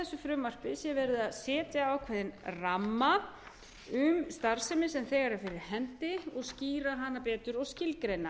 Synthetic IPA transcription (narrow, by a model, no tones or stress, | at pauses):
θɛsːʏfɾʏmːar̥pɪsjɛvɛɾɪðaðsɛːt̪jaːwkʰvɛːðɪnramːa | ʏmst̪aɾ̥sɛmɪsɛmθɛːɣaɾɛɾfɪɾɪɾ̥hɛnt̪ɪɔɣsciːɾaɦanːapɛːt̪ʏɾɔɣscɪlkɾejna